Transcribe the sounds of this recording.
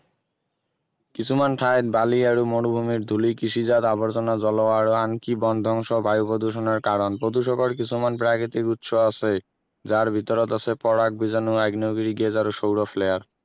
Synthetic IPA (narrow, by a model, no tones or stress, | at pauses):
kit͡ɕʰumanʈʰajt̪̚balieɾumoñubʱumiɾd̪ʱulikiʃid͡ʑad̪aboɾt͡ɕɔnad͡ʑɔloaɾoankibɔnd̪ʱɔŋʃobʱajupod̪ʱuʃ̬onaɾkaɾonpɾod̪uʃ̬ɔkoɾkit͡ɕʰumanpɾakʰit̪ikut̪ʃoasʰe | d͡ʑaɾbʱit̪ɔɾot̪asʰepɔɾak̚bʱid͡ʑanuaɡnioɡiɾiɡed͡ʑaɾoʃowɾofʰleaɾ